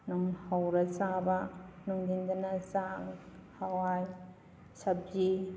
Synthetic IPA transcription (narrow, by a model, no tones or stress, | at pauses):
nɔŋhawɾɐsabɐnɔŋdindɐnɐsaŋhawaj | sɐb̚zi